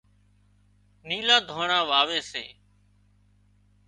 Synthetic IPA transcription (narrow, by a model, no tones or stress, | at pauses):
niːlaːd̪ʱoːɳãːʋaːʋeːsḛː